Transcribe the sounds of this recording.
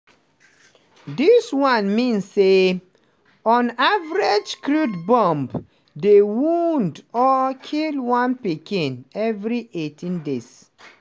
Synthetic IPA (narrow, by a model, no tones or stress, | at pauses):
diswãnmĩnsːe | ɔ̃navɹed͡ʒkɹudbɔ̃mb | dewundɔkʰilwãnpikĩnɛvɹiʔetʰĩndes